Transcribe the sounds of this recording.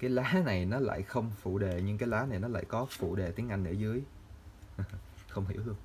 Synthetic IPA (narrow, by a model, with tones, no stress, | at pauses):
kaː˨˦jlaː˨˦na˨˩jnɔ˨˦la̰ː˧˨jxə˧wŋ͡mfṵ˧˩˨ɗe˨˩ɲɨ˧ŋk̬aː˨˦jlaː˨˦na˨˩jnɔ˨˦la̰ː˧˨jkɔ˨˦fṵ˧˩ɗe˨˩t̪i˨˦əʔa˧jŋ̟nɨ̰˧˩zɨ˨˦əj | xə˧wŋ͡mɦḭ˧˩əwhɨ˧əŋ